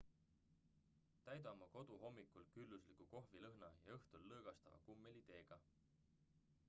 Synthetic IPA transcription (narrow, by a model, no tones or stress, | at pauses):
t̪æjd̪ɑmɑko̞d̪̥uɦo̞mːikːˑulkylːuslikuko̞ɦvilɤɦnɑjɑ̰ɤht̪ulːɤːɡ̥ɑst̪ɑ̰vɑ̰kumːelit̪e̞ːɡ̥ɑ